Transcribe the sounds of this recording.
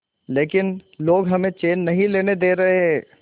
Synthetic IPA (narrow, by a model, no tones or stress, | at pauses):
leːkɪnloːɡɦɐmẽt͡ʃeːnːɐɦĩleːned̪eːɾɐɦeɦɛ̃ː